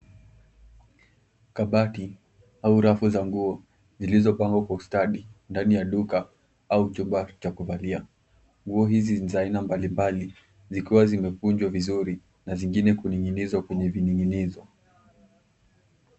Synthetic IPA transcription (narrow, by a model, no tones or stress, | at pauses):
kaɓati | auɾafuzaŋɡuɔ | zilizɔpaŋɡwakwaustaɗindanijaɗuka | aut͡ʃumbat͡ʃakuvalia | ŋɡuɔɦizizainambalimbali | zikiwazimɛkuɲd͡ʒwavizuɾi | naziŋɡinɛkuniŋinizwakwɛɲɛviniŋinizɔ